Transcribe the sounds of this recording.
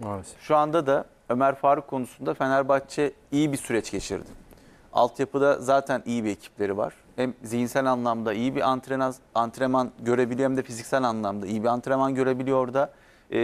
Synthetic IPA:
ʃuand̪ad̪a | ø̞mæɾfaːɾɯkʰːo̞nusund̪afenæɾbat͡ʃʰɛ | ijibisyɾɛt͡ʃɟe̞t͡ʃʰḭɾd̪ɪ | a̰lˠt̪ʰjapɯd̪azaːt̪ʰænijibiecʰi̥p̚ʰlʲe̞ɾiva̰ɾ̥hæmzijinsælʲanlˠamd̪aijibiʔant̪ɾeaant̪ɾemanɟø̞ɾebilʲiɛmd̪ɛfizicsælʲanlˠamd̪aijibiant̪ɾe̞manɟø̞ɾe̞bilʲijo̞ɾd̪a

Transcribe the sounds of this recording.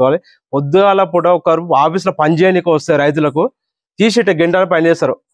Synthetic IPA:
ʋaːli | pod̪ːuɡaːlɐpuɽɐɔkːɐɐɾpuaːpis̬ulɐpɐɲd͡ʒeːnikɐʋɐst̪ɐɾɐjt̪̬ulɐk̬u | t̪iːsiʈːeɡeɳʈaːlupɐnd͡ʒɛːsɐːɾu

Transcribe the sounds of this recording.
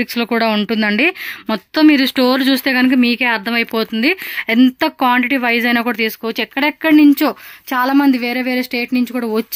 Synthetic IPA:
iksloːkuːɽaːuɳʈund̪ɐɳɖimɔt̪ːɐmːiːɾusʈoːɾlt͡ʃuːst̪e̞ːɡɐnukɐmiːke̞ːɐɾt̪ʰɐmɐjpo̞ːt̪und̪iɛnt̪ɐkʋaːɳʈiʈiʋɐjzɐjnaːkuːɽaːt̪iːsu̥koːʋɐt͡ʃːuɛkːɐɽɛkːɐɽnuɲt͡ʃuːt͡ʃaːlaːmɐnd̪iʋe̞ːɾe̞ːʋe̞ːɾe̞ːsʈe̞ːʈnuɲt͡ʃikuːɽaːʋot͡ʃː

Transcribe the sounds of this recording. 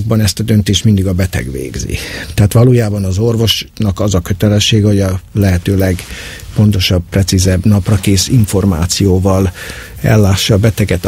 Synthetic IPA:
ɡ̚bɒnɛst̪ɒd̪ø̞nt̪eːʃt̪mind̪iɡɒbɛt̪ɛ̰ɡʋḛːɡzḭt̪ɛɦaːt̪ʋɒloːjaːbɒnɒzo̞rvo̞ʃnɒkɒzɒkø̞t̪ɛlɛʃːeːɡɛho̞ɟɒlɛɦɛt̪øːlɛɡ | po̞nt̪o̞ʃɒb̚prɛt̪sizɛbnɒprɒkeːsiɱfo̞rma̰ːt̪sijoːvɒl | ɛ̰lːaːʃːɒːbɛt̪ɛɡɛt̪

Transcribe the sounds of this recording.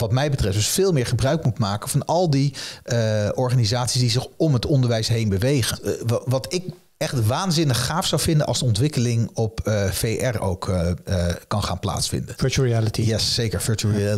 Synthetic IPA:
ʋɑtmɛjbətrɛftd̥əsfɪːlˠmɪːɹχəbrœɥk̚mutmaːkənvɑnɑlˠdi | ɔɹχaːnizaːtsisdizɪχɔmɦətɔndəɹʋɛjsɦejnbəʋejχəʋɑtɪk | ɛχtʋaːnzɪnəχːaːfsɑwvɪndənʔɑlˠzdəɔntʋɪkəlɪŋɔpfejʔɛro̰wk | kːɑnχaːnpla̰ːtsfɪ̰ndənfət͡ʃuɹiɛlətijɛsːejkəɹfəɹtuɹi

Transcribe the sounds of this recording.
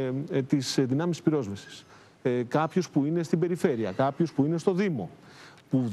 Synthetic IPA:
t̪isðinɐmisi̥spiɾo̞zvɐsi̥s | kɐpço̞spuine̞st̪ibe̞ɾife̞ɾiɐkɐpço̞spuine̞st̪o̞ðimo̞ | pu

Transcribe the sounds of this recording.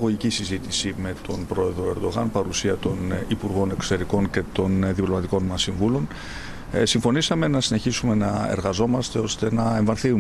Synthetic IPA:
ɣoʝicisizit̪isime̞t̪o̞npɾo̞e̞ðɾo̞e̞ɾd̪o̞ɣɐnpɐɾusiɐt̪o̞nipuɾɣo̞ne̞kso̞̥t̪e̞ɾiko̞nce̞t̪o̞nðiplo̞mɐt̪iko̞nmɐsːiɱvulo̞n | siɱfo̞nisɐme̞nɐsine̞çisume̞nɐe̞̰ɾɣɐzo̞mɐst̪e̞o̞st̪e̞nɐe̞ɱvɐɾθiu

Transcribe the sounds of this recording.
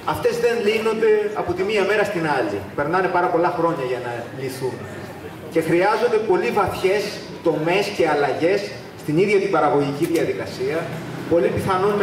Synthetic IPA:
ɐft̪e̞zðe̞nlino̞nd̪e̞ɐpo̞t̪imiɐme̞ɾɐst̪inɐlḭpe̞ɾnɐne̞pɐɾɐpo̞lɐxɾo̞ɲɐʝɐnɐliθun | ce̞xɾiɐzo̞nd̪e̞po̞livɐθçe̞s | t̪o̞me̞sce̞ɐlɐʝe̞sː | t̪iniðʝɐt̪ibɐɾɐɣo̞ʝiciðiɐðikɐsiɐpo̞lipiθɐnunm

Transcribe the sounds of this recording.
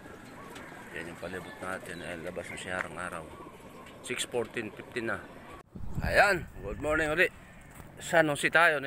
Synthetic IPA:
ja̰njʊŋpɐlibʊt̪̚naːt̪ɪnajnlɐbasnaŋsɪaːɾɐŋʔaːɾa̰w | sɪkspoɹt̪ɪnfɪp̚t̪ɪnːa | kɐ̰jaʔanɡʊd̪̚moɹnɪŋulɪʔ | sanoŋsɪt̪aːjon

